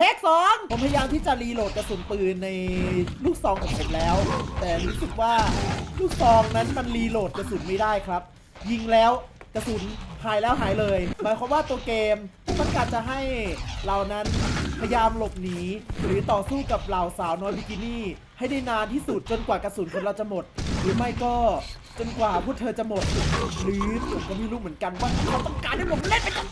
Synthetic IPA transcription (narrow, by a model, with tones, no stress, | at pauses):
t̪ʰe˥˩k̚sɔː˨˦ŋpʰo˨˩˦mpʰa˧jaː˧mt̪ʰiː˥˩t͡ɕa˨˩liː˧loː˨˩t̪̚ka˧suː˩˦nt̪ɯː˨˧˩nːa˧jluː˥˩k̚sɔː˧ŋʔʰɔː˨˩pʰo˨˩˦mlɛː˦˥wt̪ɛː˨˩ɾuː˦˥sɯ˨˩k̚waː˥˩luː˥˩k̚sɔː˧ŋna˦˥nma˧nliː˧loː˨˩t̪̚ka˧suː˨˩˦nma˥˩jdaː˥˩jkʰɾa˦˥p̚ | ji˧ŋlɛː˦˥wka˧su˩˦nhaː˨˩˦jlɛː˦˥wɦaː˩˦jlɤː˧jmaː˨˩˦jkʰa˧˦mwaː˥˩t̪u˧keː˧mma˧nkaː˨˩t̚t͡ɕa˨˩ɦa˥˩jla˨˩wna˦˥npʰa˧jaː˧mlo˨˩p̚niː˩˦ɾɯː˨˦t̪ɔː˨˩suː˥˩ka˨˩p̚la˨˩wsaː˨˩˦wnɔː˦˥jpʰi˦˩ki˧˦˥niː˥˩ | ha˥˩jna˥˩jnaː˧nt̪ʰiː˥˩su˨˩t̪̚t͡ɕo˧nkwaː˨˩ka˧suː˨˩˦nkʰo˧˦nɾa˧wt͡ɕa˨˩mo˨˩t̪̚ɾɯː˩˦ma˥˩jkɔː˥˩ | t͡ɕo˧nkwaː˨˩pʰuː˥˩t̪ʰɤː˧t͡ɕa˨˩mo˨˩t̪̚ɾɯː˩˦˨kɔː˥˩miː˥˩˨luː˥˩mɯ˩˦ənka˧nwaː˥˩a˧˩t̪a˧ŋkaː˧˨na˥˩pʰo˨˦m˧le˥˩npa˧jk̪ɔ˧˥˩